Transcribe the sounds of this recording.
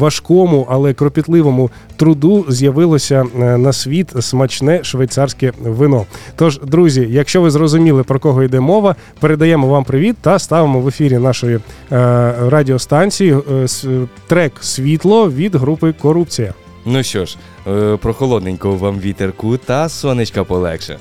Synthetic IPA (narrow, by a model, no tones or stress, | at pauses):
ʋɐʃkɔmʊʔɐlˠɛkɾɔpʲit̪lˠɪʋɔmʊ | t̪ɾʊd̪uzʲjɐʋɪlˠɔsʲɐnɐsʲʋʲit̪smɐt͡ʃnɛʃʋɐjt̪sɑrsʲkɛʋɪnɔt̪ɔʒd̪ɾuzʲijɐkʃt͡ʃɔʋɪzrɔzʊmʲilˠɪpɾɔkɔɦɔid̪ɛmɔʋɐ | peɾed̪ɐjɛmɔʋɑmpɾɪʋʲit̪ːɐst̪ɑʋemɔʋefʲiɾʲinɑʃɔji | rɑdʲiɔst̪ɑnʲt͡sʲiji | t̪ɾɛksʲʋʲit̪lˠɔʋʲid̪ɦɾupɪkɔɾup̚t͡sʲijɐ | nuʃt͡ʃɔʃ | pɾɔxɔlˠɔd̪nenʲkɔʊʋamʋʲit̪erkʊt̪ɐsʋɐnɪt͡ʃkɐpɔlˠɛ̰kʃɛ̰